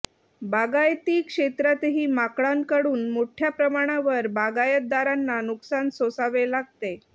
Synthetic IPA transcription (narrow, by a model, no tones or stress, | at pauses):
baɡajt̪iːkʂet̪ɾat̪ɦiːmakɭaŋkəɽuːnmoʈʰjapɾəmaɽ̃aʋəɾbaɡajət̪̚d̪aɾanːanuksansosaʋelaɡ̚t̪e